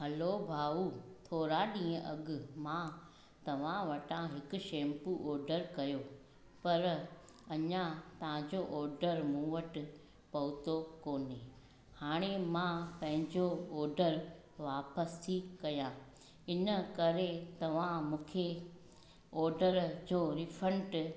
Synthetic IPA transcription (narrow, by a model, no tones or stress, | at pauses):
ɦɐlobʱaːut̪ʰoːɾaɗĩːə̃ʔɐɠʊ̆mã | t̪ɐʋ̤ãʋɐʈãɦɪkʊ̆ʃẽːmpuʔɔːɾɖəɾkɐjo | pɐɾɐɲãt̪ɐɦãd͡ʑoʔɔːɾɖəɾmũːʋəʈɪ | pɐʊt̪okoːne | haːɽ̃emãpɐ̃ɦɪ̃ɲd͡ʑoɔːɾɖəɾ | ʋaːpəst̪ʰikɐjãː | ɪnə̆kɐɾet̪ɐʋ̤ãmũːkʰe | ɔːɾɖəɾd͡ʑoːɾɪfʰə̃ɳʈ